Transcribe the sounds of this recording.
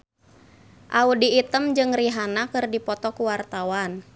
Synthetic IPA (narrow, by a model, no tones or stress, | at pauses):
ʔaudiːt̪əmd͡ʒɨŋriɦanakɨrdipɔt̪ɔkuwart̪awan